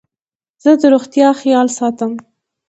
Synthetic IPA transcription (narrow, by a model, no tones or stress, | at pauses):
z̥əd̪əɾoɣt̪jɑxijɑlsɑt̪əm